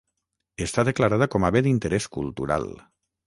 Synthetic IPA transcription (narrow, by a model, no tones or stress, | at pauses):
est̪aðəklaɾaðəkɔmaβed̪int̪əɾɛskṵlˠt̪uɾa̰l